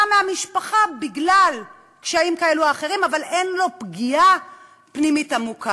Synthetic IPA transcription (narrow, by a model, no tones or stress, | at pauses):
ameamiʃpaχabiɡlal | kʃaaimkae̞luaːχe̞ʁimavale̞nlo̞pɡia | pnimitamukʰa